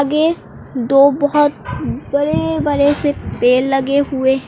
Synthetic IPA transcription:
ɡe | d̪oːbɔɦɔt̪̚bɐɾebɐɾɛɦsepeːlːɐɡeɦueɦ

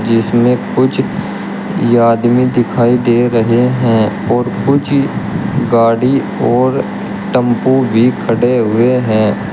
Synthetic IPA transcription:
d͡ʒɪsmẽkʊt͡ʃʰ | jaːd̪mĩd̪ɪkʰaːid̪eːɾɐɦeɦɛ̃ | ɔːɾkʊt͡ʃʰ | ɡaːɽi | ɔːɾ | ʈə̃mpobʱikʰɐɽeɦʊeɦɛ̃ː

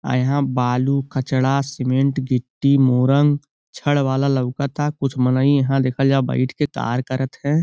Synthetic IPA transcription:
ə̰jɦãbaːlukʰət͡ʃɽasɪmẽɳʈɡɪʈːimoːɾə̃ŋɡ | t͡ʃʰəɽʋaːlaləʊkat̪akʊt͡ʃʰmənəĩjɐɦãd̪eːkʰəd͡ʒaba̰ɪʈʰket̪a̰ːɾkəɾət̪ɦɛ̃ː

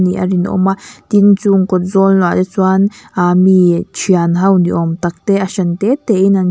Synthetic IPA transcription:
nĩʔa̰ɾinʔõ̰mãt̪int͡suŋkod͡zollãd̪et͡swaːnamĩt͡ʃjanɦəwnd̪ʲjʔomt̪ak̚t̪eaʃant̪eːt̪einãn

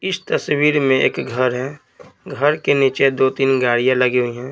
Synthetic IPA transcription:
ɪst̪ɐswiːɾmẽḛːkɡʱəɾɦɛ̃ | ɡʱɐɾkeniːt͡ʃed̪oːt̪iːnɡaːɽijãlɐɡiɦʊiɦɛ̃ː

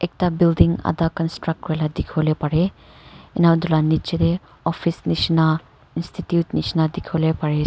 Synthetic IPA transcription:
ek̚tabildiŋa̰dakɔnstɾak̚kɾeladikʰolepaɾe | inawdulanit͡ʃide | ɔpʰisnisna | institjutnisnadikʰolepaɾe

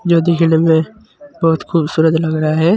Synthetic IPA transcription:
d͡ʒoːd̪ɪkʰɽemẽ | bɔːʊt̪xuːbsuːɾət̪lɐɡɾɐɦaɦɛː

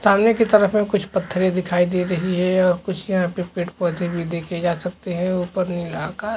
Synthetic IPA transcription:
saːmnekit̪ɐɾəfmẽkʊt͡ʃʰpɐt̪ʰːəɾẽd̪ɪkʰaːid̪eːɾɐɦiɦɛɔːɾkʊt͡ʃʰjɐɦãpepeːʈpɔːt̪ibʱid̪eːkʰed͡ʒaːsɐk̚t̪eɦɛ̃uːpəɾnɐĩlakaː

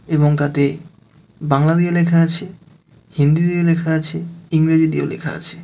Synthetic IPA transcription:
eboŋt̪at̪e | baŋlad̪iolekʰaat͡ɕʰe | hind̪id̪iolekʰaat͡ɕʰeiŋɾed͡ʑid̪io̰lḛkʰa̰a̰t͡ɕʰe̥

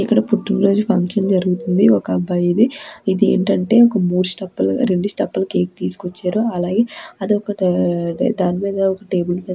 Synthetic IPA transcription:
ikːɐɽɐpuʈːunɾo̞ːd͡ʒupʰɐŋkʂɐnd͡ʒɐɾuɡut̪und̪iɔkɐbɐjid̪iid̪iḛːɳʈɐɳʈe̞ːɔkɐmuːɾusʈɐpːɐlɾe̞ɳɖusʈɐpːɐlɐke̞ːk̚t̪iːsu̥kot͡ʃːaːɾoɐlaːɡe̞ːɐd̪iɔkɐ | d̪aːnimiːd̪ɐɔkɐʈe̞ːbulmiːd̪

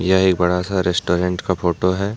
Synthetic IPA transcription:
jɐɦeːk̚bɐɽasaɾɛsʈoːɾɛ̃ɳʈkafʰoːʈoɦɛː

